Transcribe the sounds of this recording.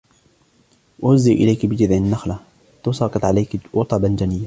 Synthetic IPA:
ʔʊzːiʔʔɪlajkbɪd͡ʒɪd̪ʕɪnːaxla | t̪ʊsɑːqɨt̪ˤʕalajkwʊt̪ˤɑband͡ʒanɪjːa

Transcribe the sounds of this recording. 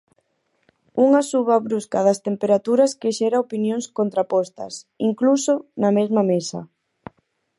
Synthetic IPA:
uŋasuβaβɾuskaðɐst̪empeɾat̪uɾɐskeʃɛɾaopinjõŋskont̪ɾapɔst̪ɐ̰siŋklusonɐmezmamesɐ̰

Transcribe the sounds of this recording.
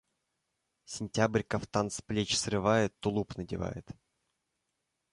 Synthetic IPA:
sʲɪnʲtʲabɾʲkəft̪ansplʲet͡ɕsrɨvajɪt̪ːʊlˠupnədʲɪ̰va̰jɪ̰t̪

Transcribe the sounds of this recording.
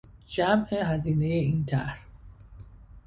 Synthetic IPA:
d͡ʒæmeɦæziːne̞jeiːnt̪ʰæ̰ɾ

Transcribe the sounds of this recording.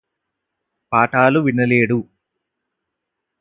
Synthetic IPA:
paːʈaːluʋinɐleːɽu

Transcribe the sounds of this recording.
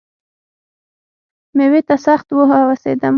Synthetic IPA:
mewet̪asaxt̪woɦawasḛd̪am

